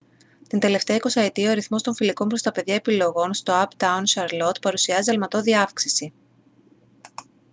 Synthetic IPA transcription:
t̪ind̪e̞le̞ft̪e̞ɐiko̞sɐet̪ioɐɾiθmo̞st̪o̞ɱfiliko̞mpɾo̞st̪ɐpe̞ðʝɐepilo̞ɣo̞nst̪o̞ɐpt̪ɐwnʃɐɾlot̪pɐɾusiɐziɐlmɐt̪o̞ðiɐfksisi

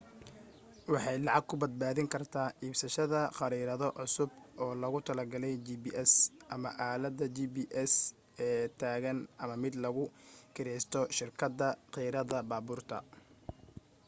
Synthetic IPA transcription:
wɑħɑjlɑʕɑɡ̚kʰʊbɐd̪̚baːðɪŋkʰɐrt̪ʰaːʔiːbsɐʃɐðɐqɑɾiːɾɐðɔʔʕʊsʊbʔɔːlɐɣʊt̪ʰɐlɐɡɐlɛjd͡ʒiːbiːʔɛsʔɐmɐʔaːlɐd̪ɐd͡ʒiːbiːʔɛs | ɛːt̪ʰaːɣɐnʔɐmɐmɪd̪lɐɣʊkʰɪɾɛst̪ʰɔʃɪrkʰɐd̪ɐqiːɾɐðɐbaːbʊːrt̪ʰɐ̰

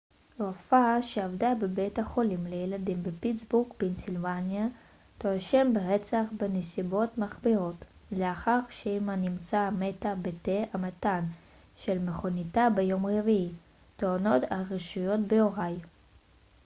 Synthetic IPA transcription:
ʁofaʃeavdabebethaχo̞limlejeladimbepit͡sbukbensilvanja | toaʃembeʁet͡saχbenesibo̞tmaχbiʁo̞t | leaχaʁʃeimanimt͡sametabeteamatan | ʃelmeχo̞nitabejo̞mʁevii | toano̞taʁiʃujo̞tbeoʁaj

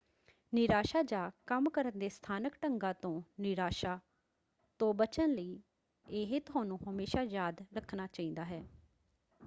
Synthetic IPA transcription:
nɪɾaːʃaːd͡ʒaːkəmkəɾənd̪eːst̪ʰaːnəkʈəŋɡãːt̪õːnɪɾaːʃaː | t̪õːbət͡ʃənləiː | eːɦet̪ʊaːnũːɦəmeːʃaːjaːd̪ɾəkʰnaːt͡ʃaːĩːnd̪aːɦɛː

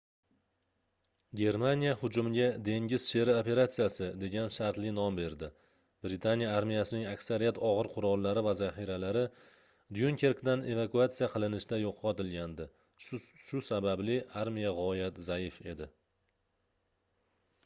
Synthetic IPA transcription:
ɡʲe̞ɾmanijahʊd͡ʒʊmɪɡʲad̪e̞ŋɡʲɪz̥ʃe̞ɾɪope̞ɾat̪sijasɪd̪e̞ɡʲanʃaɾt̪lɪnɒmbe̞ɾd̪ɪ | b̥ɾɪt̪ʰanijaaɾmijasɪnɪŋakʲsaɾijat̪ʰɒʁɨɾqʰʊɾɒlˠːaɾɪvazaχiɾalaɾɪ | d̪jʊŋkʲʰe̞ɾkd̪ane̞vakuat̪sijaqʰɨlˠɪnɪʃɪd̪ajoqʰːɒt̪ɪlɡʲand̪ɪ | ʃʊsabablɪʔaɾmijaʁɒjat̪zajɪfe̞d̪ɪ

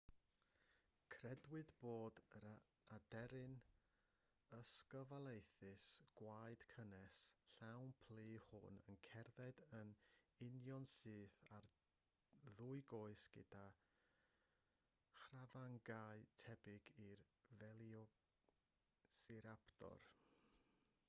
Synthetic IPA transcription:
kʰrɛdwɨdboːdəɾ | adɛɾɨn | əskəvalˠejθɨsɡ̥waɨd̥kʰənɛsɬawnpʰliːhʊ̰nə̰nkʰɛrðɛdənɪnjɔnsɨːθar | ðuɨɡoːɨsɡ̥ɪd̥a | χravaŋɡaɨtʰɛbɪɡirvɛlˠjɔ | sɪɾapʰdɔ̰r

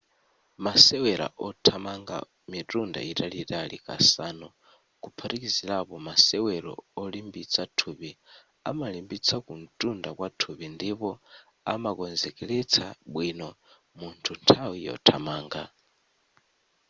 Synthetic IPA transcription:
masɛwɛɾa̰ʔɔtʰamaŋɡa̰ | mitʼunda̰itʼalitʼalḭkʼa̰saːnɔ | kupʰaɾik̬izilapɔmasɛwɛɾɔ̰ɔlimbit͡sʰatʰupi | a̰malimbit͡sʰakun̩tʼundakwatʰupindipɔ | amakɔnd͡zɛkʼɛlɛt͡sʰaɓwinɔ | muntʰuntʰawijɔ̰tʰamaːŋɡa̰

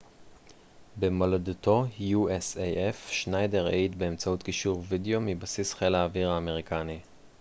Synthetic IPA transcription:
bemaladuto̞juesejʔefʃnajdeʁeitbe̞ːmt͡sautkiʃuʁvideo̞mibasisχelaːviʁaːme̞ʁikʰani

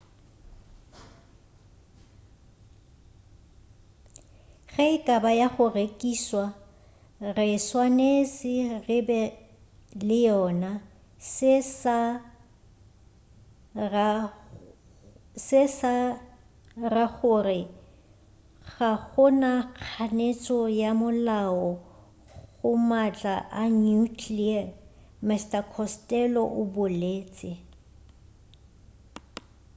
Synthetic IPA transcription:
ɣeɪkʼabajaχʊrekʼiːswa | rɪswanesɪrɪbɛ | lɪjɔna | ss | sɪsa | raɣʊrɪ | ɣaɣʊnak͡xʰanet͡sʼɔjamʊlaɔ | ɣʊmat͡ɬʼaʔanukʰlia | mɛstakʰɔstʼɛlɔʔʊbʊleːt͡sʼɪ

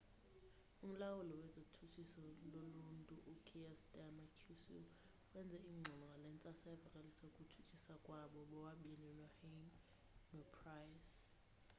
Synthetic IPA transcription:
um̩lawulɔwɛzotʰut͡ʃʰisɔloluntʼuʔukʰiɛsdamakʰusi | wɛnd͡zʱɛiŋ͡ǀʱɔlɔŋɡʱalɛnt͡sʼasaɛbʱakʼalisaukʼutʰu̥t͡ʃʰisakʼwaɓɔɓɔwaɓinilahɛŋ | nɔpʰrajs

